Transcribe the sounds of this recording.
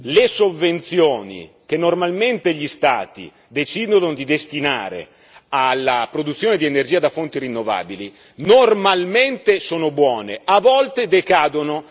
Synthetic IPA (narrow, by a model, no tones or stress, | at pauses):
lesovːent̪sjoːnḭ | k̟enːormalment̪eʎist̪a̰ːt̪ḭ | d̪et͡ʃid̪ond̪id̪est̪ina̰ːɾḛ | alːapɾod̪ut̪sːjoːned̪ienerd͡ʒiːad̪afont̪iɾinːova̰ːbili | normalment̪esoːnobwɔːnḛavɔlt̪ed̪ekaːd̪ono